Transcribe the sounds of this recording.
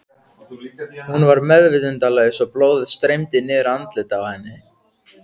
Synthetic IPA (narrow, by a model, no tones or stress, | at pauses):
hunvaɾmɛðvɪt̪ʏnt̪alɛːjɪsɔploːwðɪðst̪ɾejmt̪ɪnɪːɾant̪lɪt̪avahɛnːɪ